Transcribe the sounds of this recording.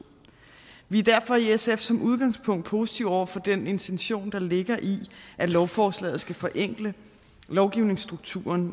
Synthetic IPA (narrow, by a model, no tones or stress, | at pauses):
ʋiæd̥æɐ̰fɒ̽iesefsɒ̽mʔuð̞ˠɡ̥ɑ̈ŋspʰɔ̽ŋ̰d̥pʰo̝ːsi̥t͡sʰiʊ̰ɒʊ̰ɐfɒ̽d̥ene̝nt͡sʰenɕo̝̰ːnd̥ɑ̈le̝ɡ̥ɐʔiʔælɒʊfɒːslɛ̰ːð̩ˠsɡ̥æfɒ̽ʔeŋ̰ɡ̥lə | lɒʊɡ̥iʊne̝ŋsd̥ʁuɡ̥̚t͡sʰṵːɐn